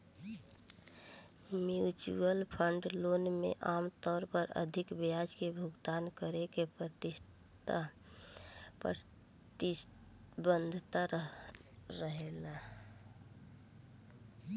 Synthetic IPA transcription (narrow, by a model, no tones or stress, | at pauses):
mjut͡ʃṵəlpʰəɳɖloːnmḛʔaːmt̪ɔːɾpəɾə̰d̪ʱɪkbead͡ʒkebʱʊɡt̪aːnkəɾekepɾət̪ɪʃ | t̪a | p | t̪ | bə̃nd̪ʱt̪a | ɾəɦela